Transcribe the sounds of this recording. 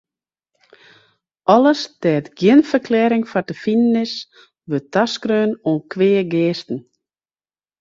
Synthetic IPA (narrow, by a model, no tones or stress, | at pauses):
ɔləsdɛːətɡjɪnfərkʰlɛːɾɪŋfatəfinənɪs | ʋøtʰaskɾøːnoːnkʰʋeːəɡeːstn̩